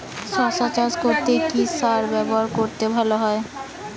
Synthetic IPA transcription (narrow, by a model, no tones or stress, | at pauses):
ʃɔsat͡ɕad͡ʑkoɾt̪ekisaɾbɛboɦaɾkoɾt̪ebʱaloɦɔe